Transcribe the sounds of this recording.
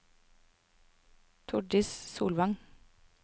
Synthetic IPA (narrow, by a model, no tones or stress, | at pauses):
t̪ʰʊɖɪssṵːlʋɑŋ